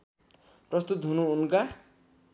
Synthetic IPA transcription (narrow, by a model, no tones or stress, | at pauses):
prʌst̪ut̪ɦunuːnka